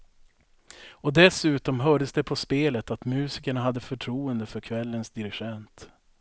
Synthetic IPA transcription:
ɔd̪ɛsʉ̟ːt̪ɔmɦœːɖəsd̪ɛpʰɔspeːlət̪at̪mʉ̟ːsɪkəɳaɦad̪ːəfœʈʰɾuːənd̪əfœɾkʰvɛlːənsd̪ɪɾɪɧɛnt̪

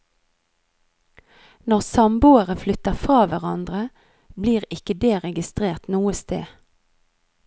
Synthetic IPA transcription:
nɔʁsɑmbʊəʁəflʏt̪əfʁɑːʋæʁɑnd̪ʁə | bliːʁɪkəd̪eːʁɛɡɪst̪ʁeːʁt̪nuːəst̪ḛː

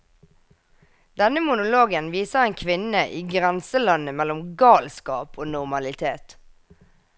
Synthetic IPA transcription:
d̪ɛnəmʊnʊloːɡənʋiːsəeːnkʰʋɪnəʔiːɡʁɛnsəlɑnəmɛlɔmɡɑːlskɑːpʰoːnʊʁmɑlɪt̪ʰeːt̪

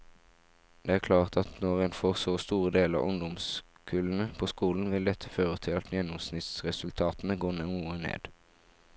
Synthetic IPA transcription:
d̪̥ɛːæːʁkʰlɑːʁt̪ʰɑt̪nɔʁeːnfoːʁsoːst̪uːʁəd̪eːlɑ̰ːʔʊŋd̪ʊms | kʰʉlən̩əpʰoːskuːln̩ʋɪld̪ɛt̪ʰəføːʁət̪ʰɪɑt̪njɛnːʊmsnɪt̪sʁɛsʉlt̪ʰɑːt̪n̩əɡoːnɛnuːənḛːd̪̥

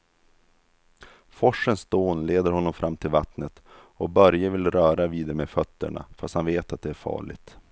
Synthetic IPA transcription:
fɔʂːənsd̪oːnleːd̪əɾhɔnːɔmfɾʔamːt̪ʰɪlvat̪nət̪ | ɔbœɾjəvɪlɾœːɾaviːd̪əɾmefœt̪ːə̰ɳa̰fast̪hanveːt̪at̪̚d̪ɛæɾfɑ̰ːɭɪ̰ɡ̚t̪

